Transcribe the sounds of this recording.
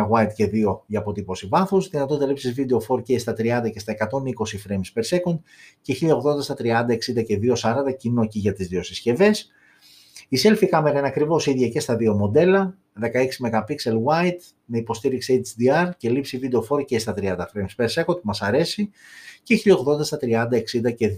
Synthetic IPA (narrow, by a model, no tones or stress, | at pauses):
ɐɣwɐjt̪ce̞ðio̞ʝɐːpo̞t̪ipo̞sivɐθusðinɐt̪o̞t̪ɐlipsizvid̪e̞o̞fo̞ɾcest̪ɐt̪ɾiɐnd̪ɐce̞st̪ɐe̞kɐt̪o̞niko̞sifɾemspe̞ɾse̞kond̪ceçiʎɐo̞ɣðo̞nd̪ɐsɐt̪ɾiɐnd̪ɐe̞ksind̪ɐce̞ðio̞sɐɾɐnd̪ɐcinociʝɐt̪izðio̞sisce̞ve̞s | ise̞lfikɐme̞ɾɐinɐkɾivo̞siðʝɐce̞st̪ɐðio̞mo̞d̪e̞lɐ | ðe̞kɐeksime̞kɐpikse̞lwɐjt̪ | me̞ipo̞st̪iɾikseet͡ʃd̪iɐɾce̞lipsivid̪e̞o̞fo̞ɾcest̪ɐt̪ɾiɐnd̪ɐfɾemspeɾse̞kond̪̚pumɐsɐɾe̞siceçiʎɐoɣðo̞nd̪ɐst̪ɐt̪ɾiɐnd̪ɐe̞ksind̪ɐce̞